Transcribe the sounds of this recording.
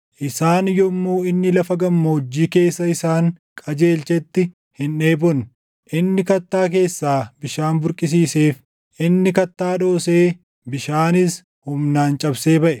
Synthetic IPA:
ʔɪsaːnjɔmːoːɪnːɪlɐfɐɡɐmːoʊd͡ʒːiːke̞ːsːɐɪsaːŋkʼɐd͡ʒe̞ːlt͡ʃɛt̪ːɪ | hɪne̞ːbɔn | ʔɪnːɪkɐt̪ːaːk̬e̞ːsːaːbɪʃaːnbʊɾkʼɪs̬iːse̞ːf | ʔɪnːɪkɐt̪ːaːᶑo̞ːse̞ː | bɪʃaːnɪs | hʊmnaːnt͡ʃʼɐbseːbɐʔɛ̥

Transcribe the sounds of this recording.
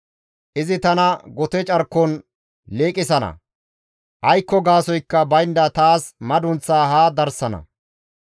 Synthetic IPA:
ʔɪzɪt̪ɐnɐɡɔt̪ɛt͡ʃʼɐɾkːɔn | leːkʼɪsɐnɐ̰ | ʔɐjkːɔɡaːsɔjkːɐbɐjnd̪ɐt̪aːsmɐd̪ʊnt͡sːaːhaːd̪ɐɾsɐnɐ̰

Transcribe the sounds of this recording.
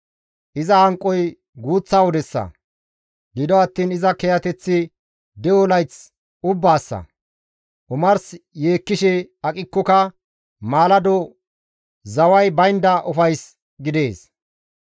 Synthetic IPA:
ʔɪzɐhɐŋkʼːɔj | ɡuːt͡sːaːwɔd̪ɛsːɐ̰ | ɡɪd̪ɔɐt̪ːiːnɪzɐkɛjɐt̪ɛt͡sːɪ | d̪ɛwɔlɐjt͡s | ʊbːaːsːɐ̰ | ʔʊmɐɾsjeːkːɪʃɛɐkʼɪkːɔkɐ | maːlɐd̪ɔ | zɐwɐjbɐjnd̪ɐʔʊfɐjs | ɡɪd̪e̞ːs

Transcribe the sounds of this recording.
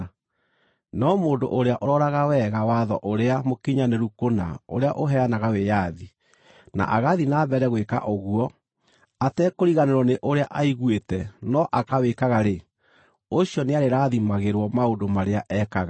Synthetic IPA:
nɔmoːndo̰ʔoɾeaʔoɾɔɾaɣawɛɣawaðɔ̰ʔoɾeamokiɲaneɾukona̰o̰ɾeaʔoɦɛanaɣawejaði | na̰ʔaɣaðinaːβɛɾɛɣweka̰ʔoɣuɔ | atɛkoɾiɣaneɾɔneʔoɾeaʔaiɣwetɛnɔʔakawekaɣaɾe | oɕjɔneaɾeɾaðimaɣeɾwɔmaondomaɾeaʔɛkaɣa

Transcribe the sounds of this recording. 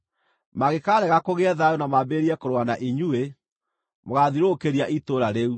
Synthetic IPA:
maɣekaɾɛɣakoɣeɛðajonamabeɾiɛkoɾoanaʔiɲue | moɣaðiɾokeɾiaʔitoɾaɾeu

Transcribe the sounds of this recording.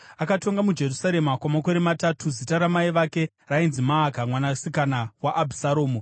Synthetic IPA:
akato̞ŋɡamud͡ʒe̞rusaɾe̞makwamako̞ɾematatʰuzitaɾamaiʋake̞ | rainzimaːkamwanasikanawaʔːbʱisaɾo̞ːmo

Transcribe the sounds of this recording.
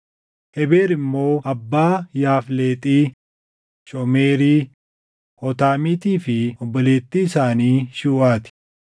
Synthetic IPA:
hɛbeːɾɪmːo̞ːɐbːaːjaːfleːt̪ʼiː | ʃɔmeːɾiː | hɔt̪aːmiːt̪iːfɪɔbːɔleːt̪ːiːɪsaːniːʃuːʔaːt̪ɪ̥

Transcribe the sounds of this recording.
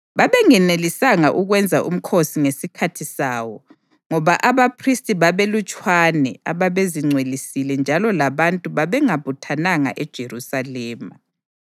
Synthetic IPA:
βaβɛŋɛnelisaŋaʔuɣwɛnd͡zʱaʔṵm̩kʰosiŋesikʰatʰisaːwɔ | ŋɔβaʔaβapʰristʼiβaβelut͡ʃʼwanɛaβaβeziŋ͡ǀʱwelisilɛnd͡ʒʱalɔlaβantʼuβaβɛŋaβutʰanaŋa̰ʔɛd̥ʒ̥ʱerusalɛːma

